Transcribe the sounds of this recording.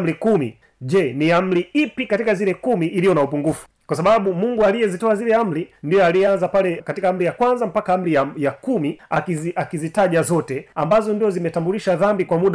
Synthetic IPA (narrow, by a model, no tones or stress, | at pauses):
m̩likumḭ | ʄɛniam̩liipikatikazilɛkumiʔːlijɔnaupuŋɡufu̥kwasaɓaɓumuŋɡualijɛzitɔazilɛam̩lindijɔaliɛanzapalɛkatikam̩lijakwanzam̩pakam̩liajakumiakiakizitaʄazɔtɛambazɔndiɔzimɛtambuliʃaðambikwamuɗ